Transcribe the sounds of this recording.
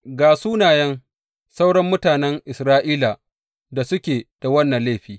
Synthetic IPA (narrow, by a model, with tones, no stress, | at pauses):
ɡaː˨suː˦naː˨jɐ˦ŋ | sa˦wɽɐ˦mːʊ˦taː˨nɛ˦ŋʔɪ˨sɾaː˦ʔiː˦la˨ | da˨sʊ˦kʲeː˨d̥a˨wɐ˦nːɐ˨nla˦˨ɸiː˨˦